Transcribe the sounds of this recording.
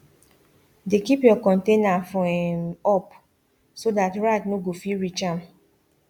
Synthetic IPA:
dekipjɔkɔ̃ntenafɔɛmɔp | sodatɹaɪtnoɡofiɹit͡ʃãm̩

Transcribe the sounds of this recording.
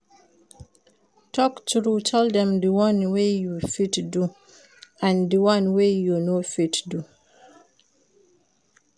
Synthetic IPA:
tʰɔktɹutʰɛldɛ̃mdəwãnwejufitdu | ãndəwãnwejunofitdu

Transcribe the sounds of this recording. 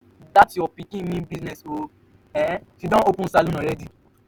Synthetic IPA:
datjɔpikĩmĩnbisnɛso | ɛ̃fidɔ̃opũsalõnɔɾɛdi

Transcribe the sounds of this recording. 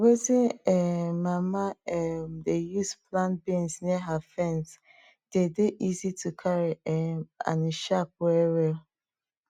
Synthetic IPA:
weziɛmamaɛmdejusplãnbĩnsniɦafɛ̃ns | d̥edeʔizitʰukʰaɾiɛa̰nʃap̚uɛɾɛl

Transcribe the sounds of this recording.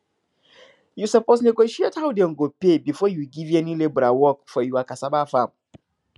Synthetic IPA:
jusɔposneɡoʃiethawdeŋ̩ɡopebifɔjuɡivɛnilebɾawɔkfɔjuakasabafãm

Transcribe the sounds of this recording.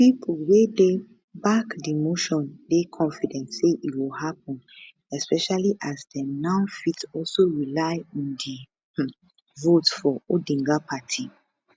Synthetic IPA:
pipʰulwede | bakdimoʃɔ̃ndekʰɔ̃nfidɛ̃ntseʔitwilhap̚ɔ̃n | ɛspɛʃaliʔazdɛnãʊnfitɔlsoɹilaɪɔ̃ndi | votfɔodĩŋɡapatʰi

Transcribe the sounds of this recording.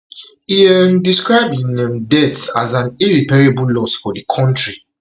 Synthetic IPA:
iɛndiskɹaɪbĩnɛmdɛtsazãniɹipɛɹebullɔsfɔdəkʰɔ̃ntɹi

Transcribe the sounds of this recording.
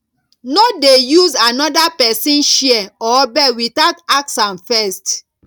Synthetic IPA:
nodejuzanɔdapɛsĩnʃiɛɔbɛwitaʊtak̚sãnfɛst

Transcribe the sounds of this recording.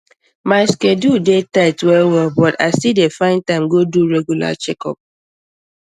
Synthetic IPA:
maɪskedudetaɪtwɛlwɛlbɔta̰ɪsidefãɪ̃ntãɪ̃mɡoduɹɛɡjula̰t͡ʃɛkɔ̰p̚

